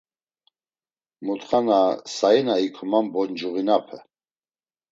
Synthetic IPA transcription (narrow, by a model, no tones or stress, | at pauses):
mut̪χanasainaikʰɔmambɔnd͡ʒuʁinapʰɛ